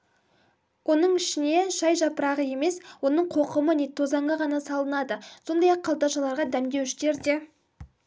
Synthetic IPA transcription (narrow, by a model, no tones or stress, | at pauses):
wʔo̞nəɴɪʃɪne̞ʒɑjʒɑpəɾɑʁəje̞me̞swo̞nəɴqʰo̞qəmənet̪ʰozɑɴɑʁɑnɑsɑlˠənɑd̪əso̞nd̪ɑjɑqʰːɑlˠd̪ɑʃɑlˠɑɾʁɑd̪æmd̪ʲe̞wɪʃɪt̪e̞ɾd̪e̞